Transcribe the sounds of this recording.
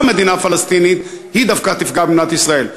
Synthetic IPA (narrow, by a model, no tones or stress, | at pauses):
med̪inafalast̪init̪hid̪afkat̪ifɡabnat̪isʁael